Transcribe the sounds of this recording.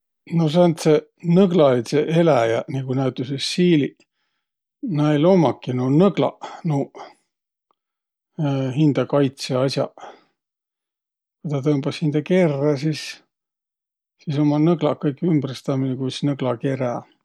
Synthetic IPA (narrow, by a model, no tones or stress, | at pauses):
nos̬ɑnt̪senɤɡlɑlit̪seʔelæjɑniɡunæyt̪ːˑusesːiːli | nɑelomɑkːinunɤɡ̥lɑ̰nu | ɦind̪̥ɑkɑjt̪seɑsʲjɑ | kujt̪ɑt̪ɤmb̥ɑshind̪̥ɑke̞rːɑsis | siso̞mɑnɤɡ̥lɑkːɤjkːymbrst̪ɑminekujsnɤɡ̥lɑke̞ɾɑ